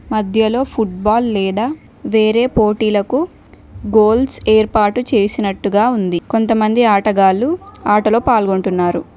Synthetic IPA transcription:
mɐd̪ʱjɐlo̞ːpʰuʈ̚baːlːɛːd̪aː | ʋe̞ːɾe̞ːpo̞ːʈiːlɐku | ɡo̞ːlseːɾpaːɾʈːut͡ʃe̞ːsinɐʈːuɡaːund̪iko̞nt̪ɐmɐnd̪iaːʈɐɡaːluaːʈɐlo̞ːpaːlɡo̞ɳʈunːaːɾu

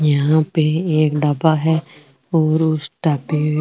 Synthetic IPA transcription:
jɐɦãpeeːkɖabaɦɛː | ɔːɾʊsʈaːpi

